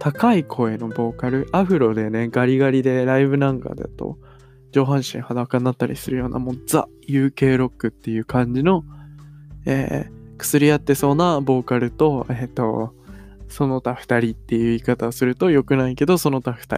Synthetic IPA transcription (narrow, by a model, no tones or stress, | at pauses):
t̪akaikʰo̞e̞no̞bo̞ːkaɾɯ̟ʔaɸɯ̟ɾo̞d̪e̞ne̞ɡaɾʲiɡaɾʲid̪e̞ɾaiβɯ̟nãŋka̰d̪ḛt̪o̰ | d͡ʑo̞ːɦãɰ̃ɕḭ̃ɰ̃had̪akanːat̪ːaɾʲḭsɨɾɯ̟jo̞ːnʔa̰moz̥a̰ | jɯ̟ːke̞ːɾo̞kːɯ̟t̪ːe̞jɯ̟ːkʰãɲ̟d͡ʑino̞ | ḛːkɯ̟̥sɨɾʲijat̪ːe̞so̞ːnabo̞ːkaɾɯ̟t̪o̞et̪ːo̞̰ | so̞no̞t̪aɸɯ̟̥t̪aɾʲit̪ːe̞jɯ̟ikat̪aosɨɾɯ̟t̪o̞jo̞kɯ̟naike̞d̪o̞so̞no̞t̪aɸɯ̟̥t̪a̰ɾi